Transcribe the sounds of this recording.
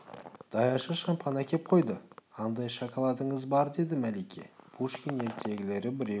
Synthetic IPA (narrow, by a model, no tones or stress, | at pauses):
d̪̥ɑjɑʃəʃɑmpʰɑnækʲʰe̞p̚qʰo̞jd̪əɑnd̪ɑjʃɑkʰɑlˠɑd̪əɴəzbɑɾd̪e̞d̪ɪmælejkʲʰe̞̰pʰuʃkʲene̞ɾt̪ʰe̞ɡʲɪle̞ɾɪbɪɾe